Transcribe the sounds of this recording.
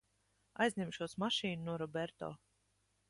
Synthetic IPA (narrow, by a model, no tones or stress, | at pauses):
ajzʲnʲɛmʃuɔsmaʃiːnunuɔɾɔbɛɾt̪ɔ̰ː